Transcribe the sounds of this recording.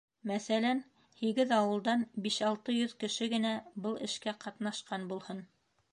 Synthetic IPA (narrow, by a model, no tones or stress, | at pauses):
mæθælæn | hiɡɘðɑwɤ̆lˠd̪ɑnbiʃɑlˠt̪ɤjɵðkɘ̆ʃɘɡɘ̆næbɤlˠɘ̆ʃkæqɑt̪nɑʃqɑnbulˠhɤn